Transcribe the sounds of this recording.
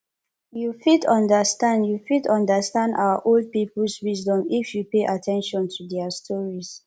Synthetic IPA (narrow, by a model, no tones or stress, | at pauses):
jufitɔ̃ndəstãndjufidɔ̃ndəstãnda̰aʔold̚piplswisdɔ̃mifjupeʔatʰɛ̃nʃɔ̃ntʰudɛastʰɔɹis